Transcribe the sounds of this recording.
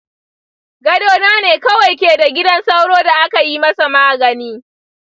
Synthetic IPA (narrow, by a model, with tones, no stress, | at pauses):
ɡɐ˦doː˦naː˦neː˨kɐ˦wa˨jkʲeː˨da˨ɡʲɪ˦dɐ˦nsa˦wɽoː˦da˨ʔa˦ka˨ji˦mɐ˦sa˨maː˦˨ɡɐ˨niː˦